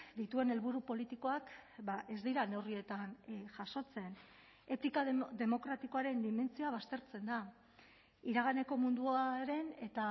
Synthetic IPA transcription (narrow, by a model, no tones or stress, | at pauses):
d̪it̪ue̞ne̞lβuɾupo̞lit̪iko̞akbaʔe̞zd̪iɾane̞wrie̞t̪anʝaʃo̞t͡se̞n | e̞t̪ikad̪e̞mo̞kɾat̪iko̞aɾe̞nd̪ime̞nt͡sioaβ̞ast̪e̞ɾt͡se̞nd̪a | iɾaɣ̞ane̞ko̞mund̪uaɾe̞ne̞t̪a